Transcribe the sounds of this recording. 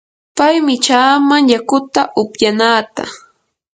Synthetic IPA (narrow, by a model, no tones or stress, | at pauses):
pajmɪt͡ʃaːmaŋjakʊt̪aʔʊpjanaːt̪a̰